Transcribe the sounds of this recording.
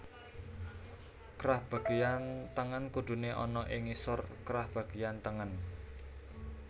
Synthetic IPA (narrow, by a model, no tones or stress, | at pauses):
kɾahb̥a̤ɡ̥ejant̪əŋənkud̪̥uneʔɔ̰nɔʔɪŋisʊrkɾahb̥a̤ɡ̥ejant̪əŋən